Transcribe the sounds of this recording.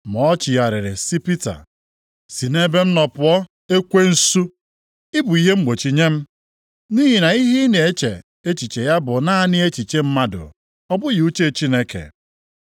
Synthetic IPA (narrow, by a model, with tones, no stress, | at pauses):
mɔ˨˦t͡ʃɪ˨ja˨ɾɪ˨ɾɪ˨si˦pi˦ta̰˨ | si˨ne˦be˦m̩˦nɔ˨pʊ˨ɔ˦ | e˦kʷe˦n̩˦su˦ | ɪ˦bʊ˨i˨ɦe˦ŋ͡m̩˦ɡ͡bo˨t͡ʃi˨ɲe˦m̩˦ | ni˦ɦi˨na˨i˦ɦi˦ne˨e˦t͡ʃḛ˨ | e˦t͡ʃi˨t͡ʃe˨ja˦bʊ˨na˦a˦˨nɪ˦e˦t͡ʃi˨t͡ʃe˦m̩˦ma˦dʊ̰˨ | ɔ˦bʊ˦ji˨u˦t͡ʃe˦˨t͡ʃi˦ne˦kḛ˨